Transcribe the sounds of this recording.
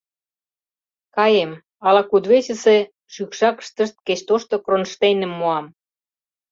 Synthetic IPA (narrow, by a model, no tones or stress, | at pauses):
kɑjem | ɑlɑkud̪βesə̆se | ʃykʃɑkə̥ʃt̪ə̆ʃt̪̚ket͡ɕt̪oʃt̪ŏkronʃt̪enə̆mːoɑm